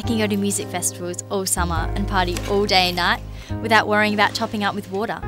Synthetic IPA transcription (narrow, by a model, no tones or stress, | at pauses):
kɨ̃n̩ɡoʊɾɨmjʉzɨkfɛstɨvəlˠzɔlˠsʌmə˞ə̰̃npʰɑˑɹɾiʔɔlˠdeɪɨ̃nːaɪʔ̚ | wɨðaʊʔwɜɹiɪ̃ŋəbaʊtt͡ʃʰɑpɪ̃ŋʌp̚wɨðwɔɾə̰˞